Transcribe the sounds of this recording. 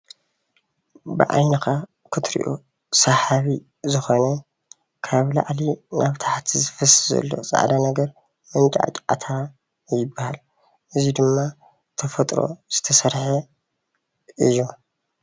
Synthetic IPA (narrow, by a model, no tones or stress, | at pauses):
bɨʕa̰jnɐkʰa | kʰɨt̪ʰɾḭʔṵ | saħaβi | zɨxonɐ | kʰaβla̰ʕlinʔaβt̪ʰaħt̪ʰizɨfɐsɨzɐ̰lːo̞̰zʼa̰ʕd̪anɐɡɐɾ | mɐnt͡ʃʼa̰ʕt͡ʃʼʕa̰t̪ʰa | jɪbːahal | ʔɨzid̪ɨmːa | t̪ʰɐfɐt̪ʼɾo̰z̥ɨt̪ʰɐsɐɾħe | ʔɨjːu